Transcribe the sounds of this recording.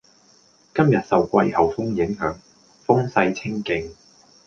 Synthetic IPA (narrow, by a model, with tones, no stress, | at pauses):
kɐ˥mjɐ˨t̚sɐ˨wkʷɐ˧jhɐ˨wfʊ˥ŋjɪ˨˥ŋɦœː˨˥ŋ | fʊ˥ŋsɐ˧jt͡sʰɪ˥ŋkɪ˧ŋ